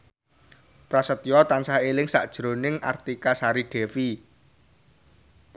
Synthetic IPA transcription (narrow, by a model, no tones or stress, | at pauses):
pɾasət̪ijɔt̪ansaɦelɪŋsa̰ʔd̥ʒ̥ɾo̤nɪŋʔa̰rt̪ikasaɾiɖ̥ɛ̤fi